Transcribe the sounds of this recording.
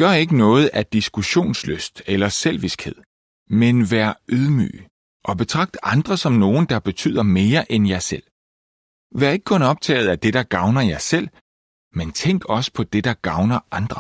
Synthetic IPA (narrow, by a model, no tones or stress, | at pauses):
ɡ̥ɶɐe̝ɡ̥ənɔ̽ːð̞̩ˠæd̥isɡ̥uɕo̝̰ːnsløsd̥elɐsel̰ʋisɡ̥he̝ð̰ˠ | menʋæːɐøð̞ˠmy̰ː | ʔɒ̽b̥e̝t͡sʰʁɑ̈ɡ̥̚d̥əʔɑ̈nd̥ʁɐsɒ̽mno̝ːn̩d̥ɑ̈b̥e̝t͡sʰy̰ð̰ˠɐme̝ːɐʔenjɑ̈ɪsel̰ | ʋæɐe̝ɡ̥əkʰɔ̽nɒ̽b̥̚t͡sʰɛ̰ːɪð̞̩ˠæd̥e̝ɾ̥ɑ̈ɡ̥ɑ̈ʊnɐjɑ̈ɪsel̰ | ment͡sʰeŋ̰ɡ̥ɒ̽sə̥pʰɒ̽d̥e̝d̥ɑ̈ɡ̥ɑ̈ʊnɐʔɑ̈nd̥ʁɐ